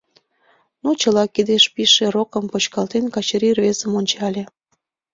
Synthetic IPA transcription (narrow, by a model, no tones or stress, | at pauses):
nut͡ɕəlɑkid̪eʃpiʃerokəmpot͡ɕkɑlt̪enkɑt͡ɕəɾirβezəmonʲt͡ɕɑlʲe